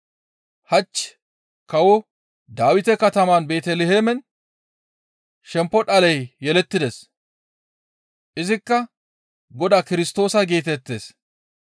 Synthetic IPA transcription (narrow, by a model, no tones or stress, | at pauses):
hɐt͡ʃː | kɐwɔ | d̪aːwɪt̪ɛkɐt̪ɐmaːnbe̞ːt̪ɛlɛheːmɛn | ʃɛmpːɔɗɐlɛjːɛlɛt̪ːɪd̪ɛs | ʔɪzɪkːɐ | ɡɔd̪aːkɪɾɪst̪o̞ːsɐɡeːt̪ɛt̪ːḛːs